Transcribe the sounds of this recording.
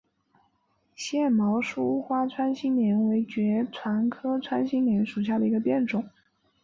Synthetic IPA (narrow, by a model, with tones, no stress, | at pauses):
ɕjɛ˥˩mɑ˧˥ʊʂu˥u˥xwa˥t͡sʰwa˥nɕi˥ŋnjɛ˧˥nwe˧˥ɪt͡ɕɥɛ˧˥ʈ͡ʂʰwa˧˥nkʰɤ˥t͡sʰwa˥nɕi˥ŋnjɛ˧˥nʂu˨˩ɕ̬ja˥˩d̪ə˩i˧˥ɡə˧pjɛ˥˩nʈ͡ʂʊ˨˩˦